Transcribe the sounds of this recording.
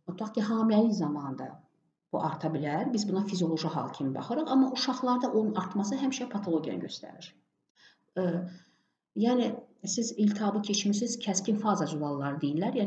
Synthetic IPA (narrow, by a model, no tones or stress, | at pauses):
ot̪ʰɑχciɦɑːmilælizɑmɑːnd̪ɑ | b̥uʔɑɾt̪ʰɑbilæɾbizbunɑfizijo̞lˠo̞ʒiɦɑ̰lˠcʰimibɑ̰χɯɾɯχɑmːɑʔuʃɑχlˠɑɾd̪ɑʔo̞nunɑɾt̪mɑs̬ɯɦæmiʃɛpʰɑt̪ʰolˠo̞ɟʲjɑ̰ɟø̞st̪æ̰ɾiɾ | jæːnisizilt̪ʰɑbɯcʰe̞t͡ʃmisiz̥cʰæscinfɑzɑd͡ʒuvɑlˠːɑɾɯd̪ejillæɾjæː